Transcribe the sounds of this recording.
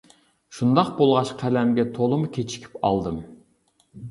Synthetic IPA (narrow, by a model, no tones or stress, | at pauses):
ʃund̪ɑqbolˠʁɑʃqʰælɛmɡʲɛt̪ʰolˠɨmukʲʰet͡ʃʰi̥kʲʰi̥pɑ̰lˠd̪ɨm